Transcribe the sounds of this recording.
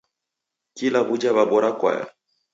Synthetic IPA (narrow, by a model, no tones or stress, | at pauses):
kilaʔud͡ʒaβabɔɾakwa̰ja̰